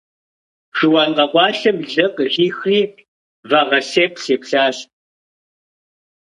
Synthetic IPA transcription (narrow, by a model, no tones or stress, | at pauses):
ʒɪwɑːnqɐqʷɑːɬɐmɮɐqʑiːxriː | vaʁɐseːpʰseːpɬaːɬ